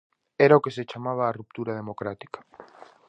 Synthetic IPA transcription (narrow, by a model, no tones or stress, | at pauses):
eɾaokeset͡ʃamaβ̞aːrup̚t̪uɾað̞emokɾat̪i̥kḁ